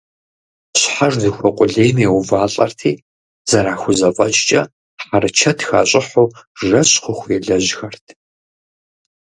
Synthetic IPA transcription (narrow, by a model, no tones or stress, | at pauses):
ɕħaʐdɨxʷɐqʷʼʊɮeːjmjɛwʊvaːɬʼɐrtʰiː | z̥ɐɾaːxʷʊzɐfʼɐt͡ʃʼt͡ʃʼɐ | ħaɾɨt͡ʃʰɐtʰxa̰ːɕʼɪħoːʐɐɕʼχʷʊxʷɛɮɐʑxɐrtʰ